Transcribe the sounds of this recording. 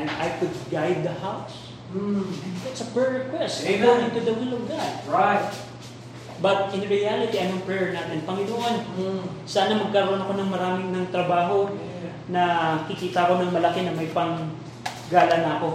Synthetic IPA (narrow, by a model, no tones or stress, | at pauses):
d̪ʔajkʊd̪̚ɡajd̪̚ːɐhaws̩ | d̪at̪sɐpɹɛɹɛkwɛst̪ɛɡowɪ̃nt̪ʊd̪ɐwɪlovɡad̪̚at̪ | bɐt̪̚ɪ̃nɹɪalɪt̪iʔɐjnoɐŋpɹɛɹnaːt̪ɪnpɐŋɪnʊʔansaːnɐmɐɡ̚kɐɾʔonɐko̞nɐŋmɐɾaːmɪŋnɐŋt̪ɾɐbaːɦo̞ | nɐkɪkiːt̪ɐko̞nɐŋmɐlɐkenɐmɐjpɐŋ | ɡaːlɐnɐɐko̞